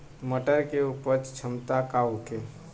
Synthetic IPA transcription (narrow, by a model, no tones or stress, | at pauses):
məʈəɾkeupəɾt͡ʃt͡ʃʰəmt̪akauke